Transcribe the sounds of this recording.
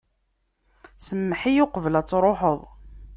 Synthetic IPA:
səmːəħijʊqəvəlæt͡sːɾˤoħəðˤ

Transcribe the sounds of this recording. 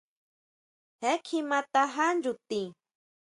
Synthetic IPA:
hekʰimat̪aɦand͡ʒut̪i

